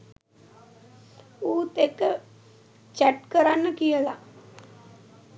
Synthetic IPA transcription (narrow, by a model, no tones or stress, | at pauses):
uːt̪ek | t͡ɕɛʈkəɾanːəkijəla